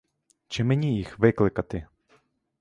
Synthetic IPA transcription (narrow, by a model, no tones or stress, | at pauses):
t͡ʃɪmenʲijixʋɪklˠɪkɐt̪ɪ